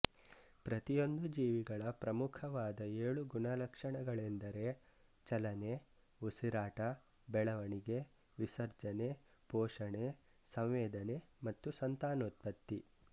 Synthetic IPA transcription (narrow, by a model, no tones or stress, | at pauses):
pɾɐt̪ijo̞nd̪ud͡ʒiːʋiɡɐɭɐpɾɐmukʰɐʋaːd̪ɐeːɭuɡunɐlɐkʂɐɳɐɡɐɭend̪ɐɾe̞ | t͡ʃɐlɐne | usiɾaːʈɐ | bɛɭɐʋɐɳiɡe̞ | ʋisɐɾd͡ʒɐne̞pɔːʂɐɳe | sɐmʋɛːd̪ɐne̞mɐt̪ːusɐnt̪aːnot̪̚pɐt̪ːi